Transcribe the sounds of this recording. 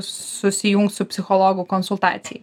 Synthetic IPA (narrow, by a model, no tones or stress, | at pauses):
sʊsʲɪjuŋkt̪sʊpʲsʲɪxɔlˠɔɡʊkɔnsʊlʲˠt̪ɑ̰ːt̪sʲɪj